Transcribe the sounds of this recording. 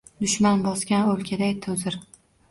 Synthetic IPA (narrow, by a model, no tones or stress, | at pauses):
d̪ʊʃmanbɒzɡʲanɵlkʲʰad̪ajt̪ʰozɪɾ